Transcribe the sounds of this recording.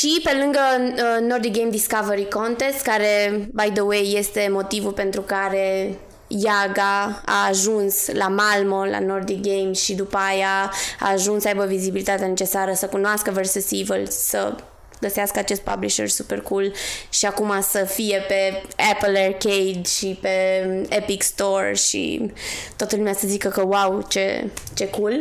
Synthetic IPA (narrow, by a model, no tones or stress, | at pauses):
ʃipe̞lɨŋɡənord̪ik̚ɡejmd̪iskaveɾiko̞nt̪e̞st̪kaɾe̞bajd̪əwejːe̞st̪e̞mo̞t̪ivulpe̞nt̪ɾukaɾe̞ | jaɡaa̰ːʒunslamalmola̰nord̪ik̚ɡejmʃid̪upəajaa̰ːʒunsəajbəvizibilit̪at̪eane̞t͡ʃe̞saɾəsəkunoaskəversusivəlsə̰ | ɡəseaskəat͡ʃe̞st̪̚pa̰bliʃḛrsuperkulʃiakumasəfije̞pe̞eplerkejd̪ʃipe̞epikst̪orʃḭt̪owat̪əlumeasəzikəkəwawt͡ʃe̞̰t͡ʃe̞kul